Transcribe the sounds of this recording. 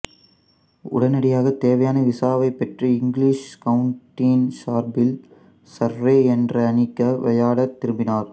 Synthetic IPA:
ʊ̰ɽɐnɐɽɪjaːɣɐt̪eːʋɐjaːnɐʋɪsaːʋɐɪpːɛʈrɯɪŋɡliːʂkɐʋʊɳʈːiːnsaːɾbɪl | sɐɾʋeːɛndrɐːnɪkːɐʋɐjaːɽɐt̪ːɪɾɯmbɪnaːɾ

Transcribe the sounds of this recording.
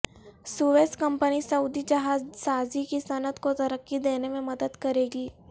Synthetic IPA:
suʋeskəmpənisəud̪id͡ʒɐɦad͡zsazikisənət̪kot̪əɾəkːid̪enemẽməd̪əd̪kəɾeɡiː

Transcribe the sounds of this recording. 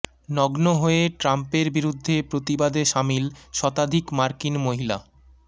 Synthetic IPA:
nɔɡnoɦoeʈɾampeɾbiɾud̪ʱːepɾot̪ibad̪eʃamilʃɔt̪ad̪ʱikmaɾkinmoɦila

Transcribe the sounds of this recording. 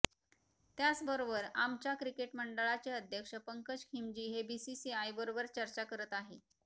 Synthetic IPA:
t̪jat͡sbəɾobəɾamt͡ɕakɾikeʈməɳɖəɭat͡ɕeəd̪ʱjəkʂəpəŋkət͡ɕkʰimd͡ʑiːɦebisisiajbəɾobəɾt͡ɕəɾt͡ɕakəɾət̪aɦe

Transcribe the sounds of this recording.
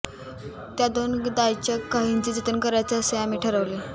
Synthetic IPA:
t̪jad̪ond̪ajt͡ɕəkːaɦint͡ɕiːd͡zət̪ənkəɾajt͡saəseamiːʈʰəɾaʋle

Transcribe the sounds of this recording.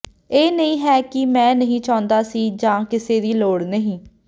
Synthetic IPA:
eːnəĩːɦɛːkɪmɛ̃ːnəɦĩːt͡ʃãːʊnd̪aːsiːd͡ʒãːkɪseːd̪iːloːɽnəɦĩː

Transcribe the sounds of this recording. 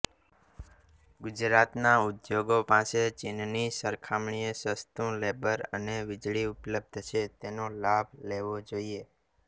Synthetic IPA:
ɡʊd͡ʒɾat̪naʊd̪joɡopaset͡ʃɪnnisəɾkʰamɳiesəst̪ũlebəɾə̰neʋɪd͡ʒɭiʊpləb̚d̪ʱt͡ʃʰet̪enolabʱleʋod͡ʒoie

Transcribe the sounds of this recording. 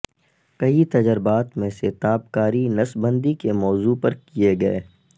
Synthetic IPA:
kɐɦit̪ɐd͡ʒəɾbaːt̪mẽset̪aːpkaːɾinɐsbə̃nd̪ikemɔːzupɐɾkieɡɐeː

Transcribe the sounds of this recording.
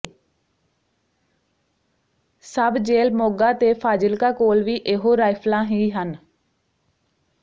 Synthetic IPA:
səbd͡ʒeːlmoːɡaːt̪eːpʰaːd͡ʒəlkaːkoːlʋiːʔeɦoːɾaːɪpʰlãːɦiːɦən

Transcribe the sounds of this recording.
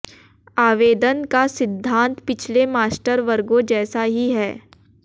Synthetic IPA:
aːʋeːd̪ənkasɪd̪ʱːãːnt̪pɪt͡ʃʰlemaːsʈəɾʋəɾɡõd͡ʒɛːsaɦiɦɛː

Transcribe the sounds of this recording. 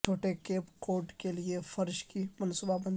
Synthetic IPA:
t͡ʃʰoːʈekeːpkoːɾɖkeliefɐɾʃkimɐnsuːbabɐ̃n

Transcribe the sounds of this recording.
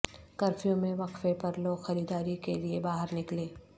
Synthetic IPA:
kɐɾfijõmẽʋɐqfepɐɾloːɡxɐɾiːd̪aːɾikeliebaːɦəɾnɪkleː

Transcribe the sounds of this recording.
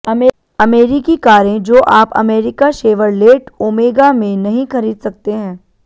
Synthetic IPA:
ɐmeːɾikikaːɾẽd͡ʒoːʔaːpɐ̰meːɾɪkaʃeːʋəɾleːʈoːmeːɡamẽnɐɦĩxɐɾiːd̪sɐk̚t̪eɦɛ̃ː

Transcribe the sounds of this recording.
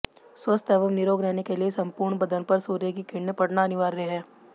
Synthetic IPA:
swəst̪ɛːʋəmnɪɾoːɡɾɛɦnekeliesɐ̃mpuːɾɳbɐd̪ənpɐɾsuːɾjəkikɪɳːəpɐɽnaɐnɪʋaːɾːɛɦɦɛː

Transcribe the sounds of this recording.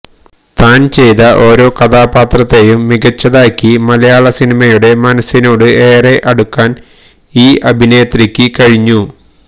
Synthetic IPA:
t̪aːnt͡ɕe̞jðɐʔo̞ːɾo̞ːkɐd̪aːpaːt̪rɐt̪ːe̞jumːiɣɐt͡ɕːɐðaːkːimɐlɐjaːɭɐsinimɐjuɽe̞mɐnɐsːino̞ːɽɨeːreʔɐɽukːaːn | iːʔɐbʱineːt̪rikʲːɨkɐɻiɲːu

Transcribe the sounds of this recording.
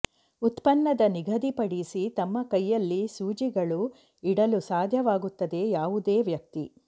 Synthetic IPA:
ut̪pɐnːɐd̪ɐniɡʱɐd̪ipɐɽisit̪ɐmːɐkɐjːɐlːisuːd͡ʒiɡɐɭu | iɽɐlusaːd̪ʱjɐʋaːɡut̪ːɐd̪e̞jaːʋud̪eːʋjɐk̚t̪ḭ

